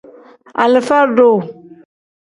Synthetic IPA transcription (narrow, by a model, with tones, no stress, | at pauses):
a˨lə˨fa˦ɖo˦˨